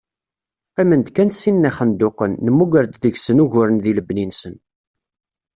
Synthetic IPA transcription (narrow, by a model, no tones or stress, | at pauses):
qimənd̪kænsinːæχənd̪oqənːəmːuɡəɾd̪ðəʝsənuʝʊɾənðiləbninsən